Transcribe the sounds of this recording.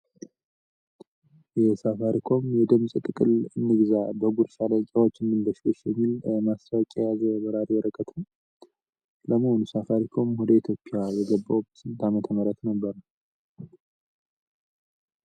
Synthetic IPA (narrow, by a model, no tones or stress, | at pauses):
jɛsafaɾikʰo̞mjɛd̪ɨmsʼɨt̪ʼɨkʼɨlɨnːɨɡzabəɡuɾsaləkʼawot͡ʃːɨnːɨnd̪əʃloʃjɛmːilmast̪awkʼajazəbəɾaɾjɛɾəkʼət̪ʰə | ləmɨhonusafaɾikʰo̞mwɔd̪əit̪ʰjo̞pʼːjabəɡəbːawbt̪ɨnt̪amət̪ʰəməɾət̪nəbːəɾə